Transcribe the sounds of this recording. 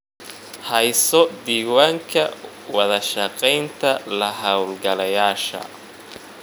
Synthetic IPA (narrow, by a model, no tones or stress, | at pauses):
hɐjsɔd̪iːwaːŋkʰɐ | wɐðɐʃɐqɛjnt̪ʰɐlɐhɐwlɡɐlɐjaːʃɐ̰